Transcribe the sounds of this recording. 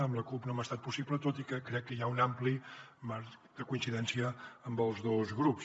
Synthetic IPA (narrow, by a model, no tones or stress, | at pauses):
əmləkupnomast̪at̪̚pusiplət̪ot̪ikəkːɾɛkːəjaunamplimaɾd̪əkuinsiðɛnsiəːmbəlˠzðozɣɾups